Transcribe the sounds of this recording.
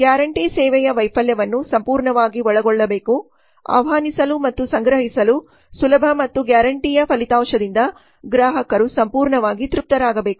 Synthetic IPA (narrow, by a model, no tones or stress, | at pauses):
ɡjaːɾɐɳʈiːsɛːʋɛjɐʋɐjpʰɐljɐʋɐnːusɐmpuːɾɳɐʋaːɡiɔɭɐɡɔɭːɐbeːku | a̰ːʋɐɦaːnisɐlumɐt̪ːusɐŋɡɾɐɦisɐlu | sulɐbʱɐmɐt̪ːuɡjaːɾɐɳʈijɐpʰɐlit̪aːmʂɐd̪ind̪ɐ | ɡɾaːɦɐkɐɾusɐmpuːɾɳɐʋaːɡit̪ɾup̚t̪ɐɾaːɡɐbe̞ːku̥